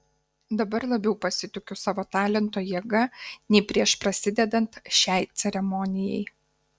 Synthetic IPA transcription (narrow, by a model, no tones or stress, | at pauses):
d̪ɐbɐɾlˠɐbʲɛʊpɐsʲɪt̪ʲʊkʲʊsɑːʋoːt̪ɑːlʲɛnt̪oːjiɛɡɐnʲɛɪpʲɾʲiɛʃpɾɐsʲɪd̪ʲɛd̪ɐnt̪ʃʲæɪt̪sʲɛɾʲɛmɔnʲɪjɛɪ